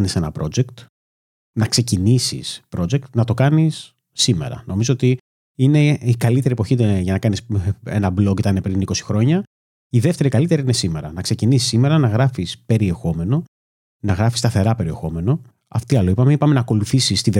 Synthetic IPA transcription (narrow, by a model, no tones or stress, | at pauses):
nise̞nɐ̰pɾo̞̰d͡ʒe̞kt̪ | nɐkse̞cinisḭspɾo̞d͡ʒek̚t̪nɐt̪o̞kɐnisː | ime̞̰ɾɐ̰no̞mizoot̪i | ine̞ikɐlit̪eɾiepo̞çit̪ʝɐnɐkɐnisenɐblo̞kit̪ɐnepɾiniko̞si̥xɾo̞ɲɐ | iðeft̪e̞ɾikɐlit̪eɾiine̞sime̞ɾɐ̰nɐkse̞cinisi̥sime̞ɾɐnɐɣɾɐfispe̞ɾie̞xo̞me̞no̞ | nɐɣɾɐfi̥st̪ɐθe̞ɾɐpe̞ɾie̞xo̞me̞no̞ | ɐ̰ft̪iɐloipɐmeipɐme̞nɐːko̞luθisist̪ið